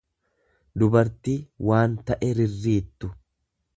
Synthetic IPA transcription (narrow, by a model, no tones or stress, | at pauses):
d̪ʊbɐɾt̪iwaːnt̪ɐʔɛɾɪrːiːt̪ːʊ